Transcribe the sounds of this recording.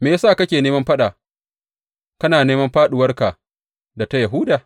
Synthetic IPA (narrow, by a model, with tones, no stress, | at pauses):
meː˨ja˦saː˦˨kɐ˦kʲeː˨neː˦mɐ˦mɸɐ˦ɗaː˨ | kɐ˦naː˨neː˦mɐ˦mɸaː˦ɗʊ˨wɐ˦rka˨ | da˨ta˦jɐ˨ɦuː˦daː˨